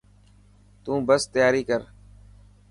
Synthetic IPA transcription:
t̪ũːbəst̪əjaːɾiːkəɾ

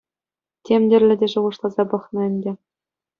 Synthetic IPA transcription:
tʲemʲdʲɘ̆rʲlʲɘ̆dʲeʐŭʁɤ̆ʂlˠɑzɑpɤ̆χnɤ̆ɘ̆nʲdʲɘ̆

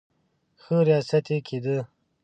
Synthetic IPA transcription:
xəɾijaːsɐt̪ekʰid̪ə

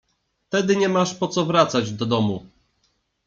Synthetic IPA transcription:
ft̪ɛd̪ɘɲɛmaʂpɔt̪sɔvɾat̪sad͡ʑd̪ɔd̪ɔmu

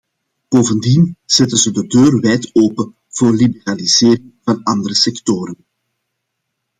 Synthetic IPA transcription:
b̥oːvəndinz̥ɛtənzədədøːrʋɛːjtoːpən | v̥oːrlibəraliz̥eːrɪŋvɑnɑnd̪əɾəsɛktoːɾən

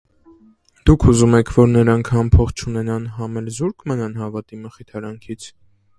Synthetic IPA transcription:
d̪̥ukʰuzumɛkʰvɔɾnəɾɑŋkʰhɑmpʰɔχt͡ʃʰunɛnɑnɦɑmɛlzuɾkʰmənɑn̪ɦɑvɑt̪iməχit̪ʰɑɾɑŋkʰit͡sʰ

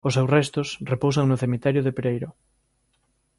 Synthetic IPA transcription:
osːewsrɛst̪osrepowsaŋnoθemit̪ɛɾjʊðepeɾejɾʊ

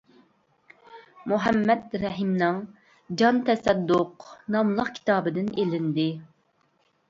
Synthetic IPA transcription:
muɦɛmːɛd̪ɾɛɦimnɨŋ | d͡ʒɑnt̪ʰɛsɛd̪ːʊqnɑmlˠəqkʲʰi̥t̪ʰɑːbɨd̪ɪnelɪnd̪ɪ

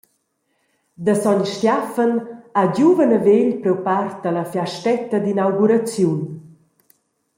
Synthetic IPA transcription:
d̪əsɔɲʃtjafənaɟuvənəveʎpɾɛwpart̪ələfjaʃtɛt̪əd̪inawɡuɾat͡sjun

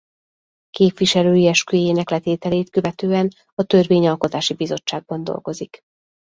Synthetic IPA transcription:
keːpʋiʃɛløːiɛʃkyjeːnɛklɛt̪eːt̪ɛleːt̪kø̞vɛt̪øːɛn | ɒt̪ø̞rveːɲɒlko̞t̪aːʃibizo̞t͡ʃːaːɡ̚bɒnd̪o̞̰lɡo̞zik

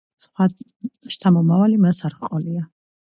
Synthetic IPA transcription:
sχwa | ʃt̪ʰamɔmavalimɛsaɾχqʼɔlia

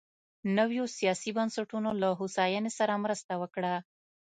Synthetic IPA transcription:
nəwjosijɑsibansaʈunolaɦusɑjɑnesaɾamɾəst̪awəkɽa

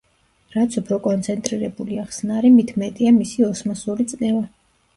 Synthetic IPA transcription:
ɾat̪sʰupʰɾɔkʼɔnt̪sʰɛnt̪ʼɾiɾɛbuliaχsnaɾimit̪ʰmɛt̪ʼiamisiɔsmasɔɾit̪sʼnɛva

